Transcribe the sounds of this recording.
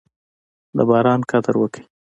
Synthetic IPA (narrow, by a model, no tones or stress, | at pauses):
d̪əbɑɾɑnkad̪əɾwəkəi